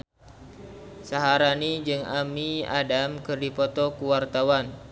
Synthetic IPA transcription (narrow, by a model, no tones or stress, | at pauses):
saɦaɾanid͡ʒɨŋamia̰damkɨrdipɔt̪ɔkuwart̪awan